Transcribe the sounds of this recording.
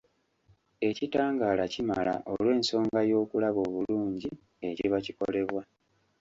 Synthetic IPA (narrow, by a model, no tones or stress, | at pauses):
e̞citaːŋɡaːlacimala̰ʔolwe̞ːnso̞ːŋɡajo̞ːkulaβo̞ːβuluːɲɟi | e̞ciβaciko̞̰le̞βwa